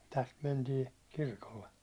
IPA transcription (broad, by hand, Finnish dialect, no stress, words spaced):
tæst mentiː kirkolːe